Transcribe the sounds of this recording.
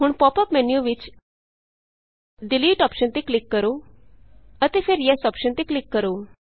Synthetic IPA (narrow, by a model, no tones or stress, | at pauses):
ɦuːɳpɔpəpmɛnjuʋit͡ɕ | ɖiliːʈɔpɕənt̪eklikːəɾo | ət̪efeɾjasɔpɕənt̪eklikːəɾo